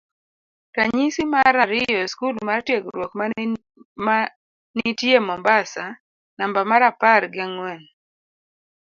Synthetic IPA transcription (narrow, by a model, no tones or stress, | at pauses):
taɲisimaɾaɾɪjɔskulmartjeɡɾwokma | a | nitjemɔmbasa | nambamaɾapaɾɡɪaŋwɛn